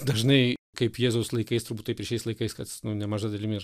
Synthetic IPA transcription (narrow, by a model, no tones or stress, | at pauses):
d̪ɐʒnɐɪkɐɪpjeːzoʊslˠɐɪkɐɪst̪ʊɾbuːt̪ːɐɪpʲɾʲiɛʃʲɛɪslˠɐɪkɐɪskɐt̪nʊnʲɛmɑːʒɐd̪ɐlʲimiɾ